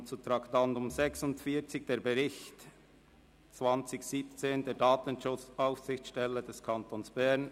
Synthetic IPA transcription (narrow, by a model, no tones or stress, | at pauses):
t͡sutʁɑktɑntʊmzɛksʊntfiːɐt͡sɪɡd̥eːɐɾbɛʁɪçt | t͡svɑnt͡sɪçsiːpt͡seːndeːdɑːtənʃʊt͡saʊfsɪçʃtɛlːəd̥ɛskʰɑntoːnsb̥ɛʁn